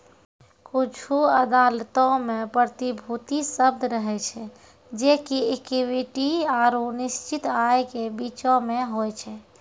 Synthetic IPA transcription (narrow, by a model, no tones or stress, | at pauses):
kut͡ʃʰuəd̪alt̪ɔ̃mẽpɾət̪ibʱut̪isəb̚d̪ʱɾəɦɛt͡ʃʰɛ | d͡ʒekiekiwiʈiaɾuniʃt͡ʃit̪ajkebit͡ʃɔ̃meɦojt͡ʃʰɛ